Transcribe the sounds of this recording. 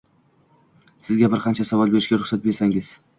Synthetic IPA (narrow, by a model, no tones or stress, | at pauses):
sɪzɡʲabɪɾqʰɑnt͡ʃʰasavɒlˠbe̞ɾɪʃɡʲaɾʊχsat̪̚be̞ɾsaŋɪz̥